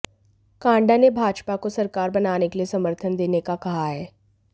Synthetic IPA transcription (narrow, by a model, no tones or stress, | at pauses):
kãːɳɖanebʱaːd͡ʒpakosɐɾkaːɾbɐnaːnekeliesɐməɾt̪ʰənd̪eːnekakɐɦaɦɛː